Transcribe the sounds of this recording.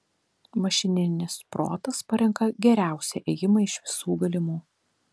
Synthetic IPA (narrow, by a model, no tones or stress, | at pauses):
mɐʃʲɪnʲɪnʲɪspɾo̰ːt̪ɐspɐɾʲɛŋkɐɡʲɛɾʲæˑʊsʲɛʔɛjɪmɐɪʃʋʲɪsuːɡɐlʲɪmuː